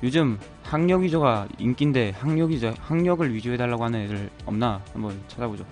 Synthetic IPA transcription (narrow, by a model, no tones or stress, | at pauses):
jod͡ʑɯm | haŋɲʌɡid͡ʑʌɡaḭnk͈inde̞haŋɲʌɡid͡ʑʌhaŋɲʌɡɯɭɥid͡ʑoɦe̞daɭːaɡohanɯnedɯɾɯɭʌmnahambʌnt͡ɕʰad͡ʑabod͡ʑo